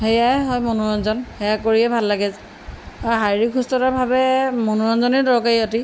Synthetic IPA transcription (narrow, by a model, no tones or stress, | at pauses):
ɦejajɦɔjmɔnuɹɔnzɔnhɛjakoɹiɛbʱalːaɡɛz | aɦajɹikʰustɔtabʱabɛmɔnuɹɔnzɔnɛdɔɹkajɔti